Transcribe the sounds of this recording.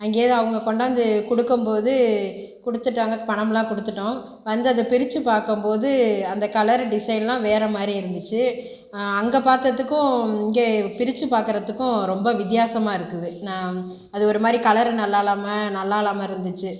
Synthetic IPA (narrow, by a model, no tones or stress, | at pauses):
ɐŋɡeːðɯɐʋɐŋɡɐkɔɳɖɐɐnd̪ɯkʊɽɯkːɯmpoːðɯkʊɽɯt̪ːɯʈːaːŋɡɐpɐɳɐmlãːkɔɽɯt̪ːɯʈːõ | ʋɐnd̪ɐðɐpɪɾɪt͡ʃːɯpaːɾkɯmpoːðɯɐnd̪ɐkɐlɐɾɖɪsɐɪnlãːʋeːɾɐmaːd̪ɾiɪɾɯnd̪ɯt͡ʃːɯ | ɐŋɡepaːɾt̪ɐt̪ːɯkːʊ̃ɪŋɡeːpɪɾɪt͡ʃːɯpaːɾkɯɾɐt̪ːɯkːʊ̃ɾɔmbɐʋɪt̪̬jaːsɐmaːɪɾɯkːɯðɯnãː | ɐðɯɔɾɯmaːd̪ɾikɐlɐɾnɐlːaːlaːmɐnɐlːaːɪlaːmɐɪɾɯnd̪ɯt͡ʃːɯ